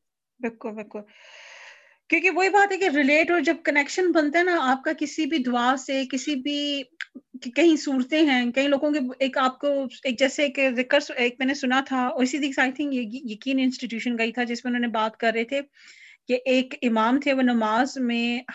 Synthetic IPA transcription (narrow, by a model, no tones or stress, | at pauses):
bɪlkʊlbɪlkʊl | kjõːkeʋoːibaːt̪ɦɛkeɾɪleːʈɔːɾd͡ʒɐb̚kɐnɛkʃənbɐnt̪aɦɛnaaːp̚kakɪsibʱid̪ʊaːsekɪsibʱi | kɐɦĩsuːɾt̪ẽɦɛ̃ːkɐɦĩloːɡõkeeːkaːp̚koeːk̚d͡ʒɛːseeːkzɪkəɾseːk̚mɛːnesʊnat̪ʰaɔːɾɪsid̪iːksaːɪt̪ʰɪ̃ŋkjejɐkiːnɪ̃nsʈiʈjuːʃənɡɐit̪ʰad͡ʒɪsmẽʊnɦõːnebaːt̪kɐɾːɐɦet̪ʰe | jeʔeːkɪmaːmt̪ʰeʋoːnɐmaːzmẽ